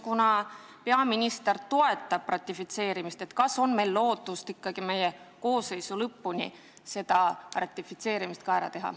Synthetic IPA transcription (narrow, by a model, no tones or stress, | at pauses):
kunɑ | pe̞ɑminʲist̪ert̪o̞e̞t̪ːˑɑb̥rɑt̪ʲːˑifit̪se̞ːɾimist̪e̞t̪kɑso̞nme̞jlːo̞ːt̪ːˑust̪ikːɑɡ̥ime̞jeko̞ːsːe̞jsulɤpːunʲi | se̞d̪̥ɑrɑt̪ʲːˑifit̪se̞ːɾimist̪̚kɑæɾɑ̰t̪e̞ɦɑ̰